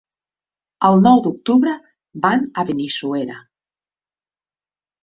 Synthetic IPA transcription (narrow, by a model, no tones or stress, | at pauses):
əlˠnɔwd̪uk̚t̪uβɾa | banaβenisueɾa